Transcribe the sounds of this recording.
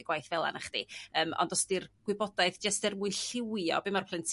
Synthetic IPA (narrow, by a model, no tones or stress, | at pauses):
ɡ̥wajθvɛlˠa̰naχd̥ḭəːmɔ̰ndɔsdirɡ̥wɪbɔdaɨðd͡ʒastɪrmuɨnɬɪwjɔ̰bɪmarpʰlˠɨntʰ